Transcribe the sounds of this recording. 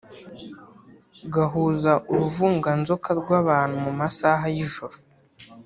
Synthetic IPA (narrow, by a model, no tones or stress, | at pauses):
ɡaɦuːzaʔuɾuvuːŋɡanzo̞kaɾɡwaːβaːn̥humumasaɦajiʒoɾo